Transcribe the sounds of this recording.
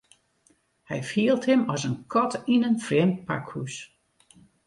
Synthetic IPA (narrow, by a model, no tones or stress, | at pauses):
hɛ̰jfiəlˠthɪmɔsənkʰɔtinənfrɛːmpa̰khus